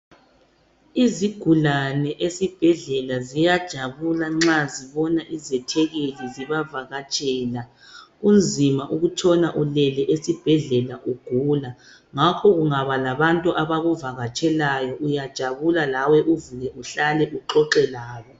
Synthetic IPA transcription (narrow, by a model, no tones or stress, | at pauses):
iziɡ̥ʱulanɛʔesib̥ʱɛɮɛlazijad̥ʒ̥ʱaβulaŋ͡ǁaziβɔnaʔizɛtʰɛɣeliziβavaɣat͡ʃʼɛːla | umd͡zʱimaʔuɣut͡ʃʰʼɔnaʔulɛlɛʔesib̥ʱɛɮɛlaʔuɡ̥ʱuːla | ŋakʰɔɣuŋaβalaβantʼuʔaβaɣuvaɣat͡ʃʼɛlajɔʔujad̥ʒ̥ʱaβulalawɛʔuvuɣɛʔuɬalɛʔuǃɔǃɛlaːβɔ